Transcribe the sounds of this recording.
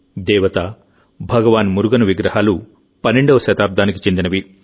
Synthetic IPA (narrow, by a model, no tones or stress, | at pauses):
d̪ɛːʋɐt̪a | bʱɐɡɐʋaːnmuɾuɡɐnuʋiɡɾɐɦaːlu | pɐnːeɳɖɐʋɐʃɐt̪aːb̚d̪aːniki̥t͡ʃend̪inɐʋi